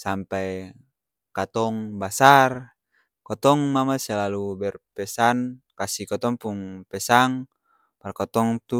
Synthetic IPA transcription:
sampɛj | kat̪ɔŋbasar | kɔt̪ɔŋmamasɛlalubɛrpɛsan | kasikɔt̪ɔŋpuŋpɛsaŋ | parkɔt̪ɔŋt̪u

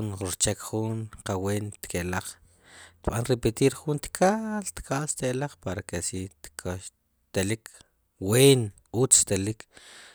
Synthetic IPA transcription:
nɾt͡ʃekχunqaweːnt̪kelaχ | t̪ɓanɾepet̪iːɾχunt̪kʰalt̪kʰaʔst̪elaχpaɾakesit̪kʰa | t̪elik | weːn | ut͡st̪elik

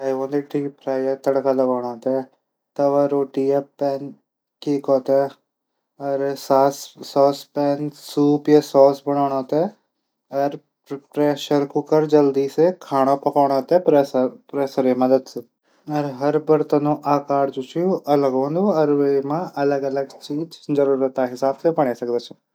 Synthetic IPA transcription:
aːjõːnd̪eːʈʰiːkpʰɾaːjaːt̪əɽkaləɡaːɽ̃ãːt̪ɛː | t̪ɐʋaːɾoːʈiːjaːpɛːn | kiːkɔːt̪ɛː | əɾsaːsːɔːspɛːnsuːpjaːsɔːsbəɽ̃ɔːɽ̃ãːt̪ɛː | əɾ | pɾɛːʃəɾkʊkəɾd͡ʒɐld̪iːsekʰaːɽ̃õpɐkaːɽ̃ot̪epepɾeːsəɾemɐd̪əd̪sɨ | ɐɾɦɐɾbɐɾt̪ɐnũʔaːkaːɾd͡ʒut͡ʃʰijuʔɐləɡõːnd̪oɐɾʋemãʔɐləɡɐləɡt͡ʃiːd͡ʒzɐɾuːɾət̪aɦɪsaːbsebɐɽ̃esɐɡd̪eːt͡ʃʰ

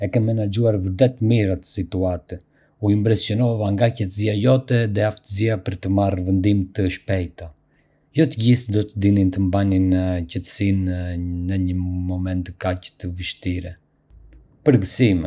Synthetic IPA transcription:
ɛkɛmɛnad͡ʒuaɾvəɾt̪ɛt̪miɾat̪ə̥sit̪uat̪ə | uimbɾɛsjɔnɔvaŋɡacɛt̪əziajɔt̪ɛðɛaft̪əziapəɾt̪əmarvənd̪imt̪əʃpɛjt̪a | jɔt̪əɟisd̪ɔt̪əd̪inint̪əmbanincɛt̪ə̥sinːəɲəmɔmɛnt̪əkacə̥t̪əvəʃt̪iɾɛ | pəɾɡəsim

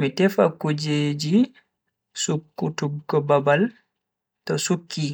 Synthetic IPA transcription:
mitɛfa̰kud͡ʒeːd͡ʒi | sukːutubkɔbabal | tɔsukːi

